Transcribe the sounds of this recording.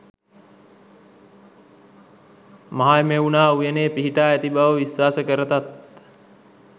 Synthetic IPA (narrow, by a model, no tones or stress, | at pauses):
maɦaemeunaːujeneːpiɦiʈaːæt̪ibaʋəʋisʋaːsəkəɾət̪at̪